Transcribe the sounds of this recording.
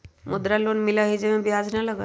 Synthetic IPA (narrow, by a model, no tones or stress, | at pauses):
mud̪ɾaloːnmilaɦid͡zeʋãbiɦad͡znalaɡa